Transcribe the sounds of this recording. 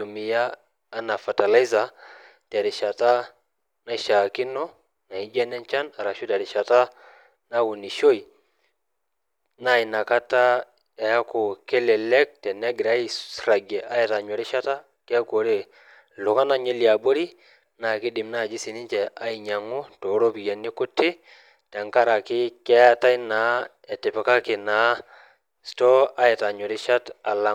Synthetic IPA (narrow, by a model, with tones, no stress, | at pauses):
tu˨mi˨jaː˦ | na˨fa˨ta˨la˦i˦za˨ | tɛ˨ɾi˨ʃa˨ta˦ | na˦ʃa˨ki˦nɔ˦ | na˨i˦d͡ʒɛ˦nɛ˦nt͡ʃa˦na˨ɾa˨ʃu˦tɛ˨ɾi˨ʃa˨ta˦ | na˦wu˨ni˨ʃo˦i˨ | na˦˨i˨na˨ka˦ta˦ | ja˨ja˦ko˨kɛ˦lɛ˨lɛ˦k̚tɛ˨nɛ˦ɡɾa˦ji˨ɾa˨ɡɛ˨ʔa˦ji˨ta˨ɲɔ˨ɾi˦ʃa˦ta˦ | kɛ˦ko˨ɾe˦˨ | lʊ˨ka˦na˦ɲe˦lja˨bo˦ɾi˦ | na˨kɪ˦dɪ˨mna˦˨d͡ʒɪ˦sɪ˨nɪ˦ɲt͡ʃɛ˨a˦i˨ɲa˨ŋʊ˦to˨˦ɾo˦pi˨ja˨nɪ˦kʊ˦tɪ˦ | tɛ˨ŋka˦ɾa˨kɪ˦kɛ˦a˦ta˦i˦na˨˦ | ɛ˨tɪ˨pɛ˨ka˦kɪ˨na˨˦ | stɔ˦a˦ɛ˨ta˨ɲɔ˨ɾɪ˦ʃa˦ta˨la˨